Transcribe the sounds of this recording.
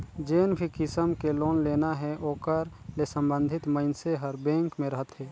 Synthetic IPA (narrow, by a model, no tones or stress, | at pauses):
d͡ʒeːnbʱikɪsəmkeloːnleːnaɦɛʔoːkəɾ | lesə̃mbə̃nd̪ʱɪt̪məɪnseɦəɾbɛ̃ːŋkmẽɾəɦət̪ɦɛː